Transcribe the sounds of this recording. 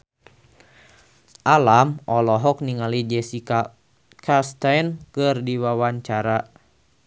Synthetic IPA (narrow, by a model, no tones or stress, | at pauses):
ʔalamɔlɔɦɔk̚niŋalid͡ʒɛsika | kʰast̪ajnkɨrdiwawaɲt͡ʃaɾa